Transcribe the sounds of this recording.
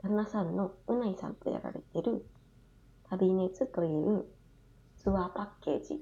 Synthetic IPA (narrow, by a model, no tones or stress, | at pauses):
d̪anasãnːo̞ɯ̟naisã̰nt̪o̞̰ja̰ɾa̰ɾe̞t̪e̞ɾɯ̟ | t̪ʰabʲine̞t͡sɨt̪o̞iɯɯ | t͡sɨβaːpakːe̞̰ːd͡ʑḭ